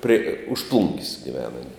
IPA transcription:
pʲrʲɪ ʊʃ plˠʊŋʲkʲsʲ ɡʲɪˈʋʲæːnɐ ɐˈnʲɪ

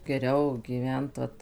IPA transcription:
ɡʲɛˈrʲɛʊ ɡʲiːˈʋʲɛnt ʋɐt

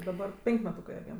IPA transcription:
dɐˈbɐr ˈpʲɛŋʲkʲ mʲɛˈtuːkɜ ɐˈbʲiɛm

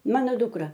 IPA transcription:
ˈmɑːnoː ˈdʊkrɐ

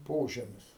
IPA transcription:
ˈpoːʒʲɛmʲɪs

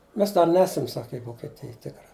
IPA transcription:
ˈmʲɛs ˈdɐr ˈnʲæːsɐm sɐkʲ ɪ ʋoːkʲɛˈtʲɪj ˈtʲɪkrɐ

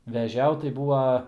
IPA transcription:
ʋʲɛˈʒʲɛʊt tɐɪ ˈbuːʋɐ

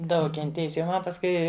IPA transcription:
ˈdɐʊk kʲɛnʲˈtʲeːjɪs jɛʊ ˈmɐn pɐsˈkʊɪ

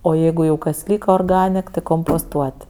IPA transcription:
oː ˈjɛɪɡʊ jɛʊ kɐs ˈlʲiːkɐ oːrˈɡɑːnʲɛk tʲɪ koːmpoːsˈtuɔtʲ

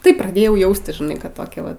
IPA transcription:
ˈtɐɪ prɐˈdʲeːjɛʊ ˈjɛʊsʲtʲɪs ʒʲɪˈnɐɪ kɐt ˈtoːkʲɛ ˈʋɐ

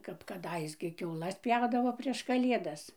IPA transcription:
kɐp kɐˈdɐɪs ɡʲɪ kʲɛʊˈlˠɐs ˈpʲjɛʊdɐʋoː ˈpʲrʲiɛʃ kɐˈlʲiɛdɐs

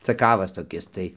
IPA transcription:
t͡sɐˈkɑːʋɐs toːˈkʲɪs tɐɪ

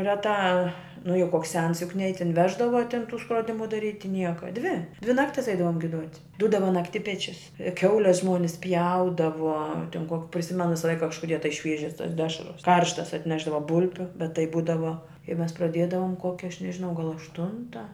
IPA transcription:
rʲɛˈtɑː nʊ jɛʊ ˈkoːks ˈsʲɛns jʊk nʲɛɪ ˈjiː tʲɪn ˈʋʲæːʒdɐʋɐ ˈtʲɪn ˈtuː skroːˈdʲɪmʊ dɐˈrʲiːtʲɪ ˈnʲiɛkɐ ˈdʲʋʲɪ ˈdʲʋʲɪ ˈnɑːktʲɪs ˈɛɪdɐʋoːm ɡʲɪˈduɔtʲ ˈduːdɐʋɐ nɐkˈtʲɪpʲɛt͡ʃʲʊs ˈkʲɛʊlʲɛs ˈʒmuɔnʲɪs ˈpʲjɛʊdɐʋoː tʲɪn koː pʲrʲɪˈsʲɪmʲɛnʊ ˈʋʲɪsɐ ˈlˠɐɪkɐ kɐʃkʊˈdʲiɛ tɐɪ ˈʃʲʋʲiɛʒʲɛs tɐs ˈdʲæːʃrɐs ˈkɐrʃtɐs ɐtʲˈnʲæːʒdɐʋɐ ˈbʊlʲbʲʊ bʲɛt ˈtɐɪ ˈbuːdɐʋoː ɪ ˈmʲɛs prɐˈdʲeːdɐʋoːm ˈkoːkʲɛ ˈɐʃ nʲɛʒʲɪˈnɐʊ ɡɐlˠ ɐʃˈtʊntɐ

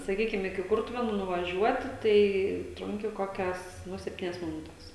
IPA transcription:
sɐˈkʲiːkʲɪm ɪkʲɪ ˈkʊrtʊʋʲeːnuː nʊʋɐˈʒʲuɔtʲɪ tɐɪ ˈtrʊŋʲkʲɪ ˈkoːkʲɛs ˈnʊ sʲɛpʲˈtʲiːnʲɛs mʲɪˈnʊtʲɛs

